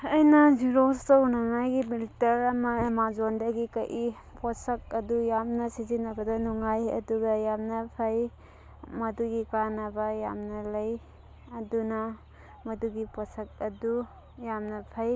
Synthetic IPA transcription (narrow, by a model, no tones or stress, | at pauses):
ɐjnɐziɾostɐwnɐŋajɡimiltɐɾɐmɐemazondɐɡikɐʔi | pɔsɐk̚ɐdujamnɐsizinɐbɐdɐnuŋajɐ̰duɡɐjamnɐpʰɐj | mɐduɡikanɐbɐja̰mnɐlɐj | ɐdunɐ | mɐduɡipɔsɐk̚ɐdu | jamnɐpʰaj